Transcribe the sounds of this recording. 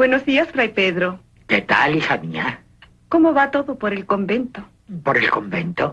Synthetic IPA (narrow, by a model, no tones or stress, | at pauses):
bwenozðiasfɾajpeðɾo | ket̪a̰lisamia | ko̞moβat̪o̞ðopoɾelko̞mbe̞nt̪o | poɾelkombent̪o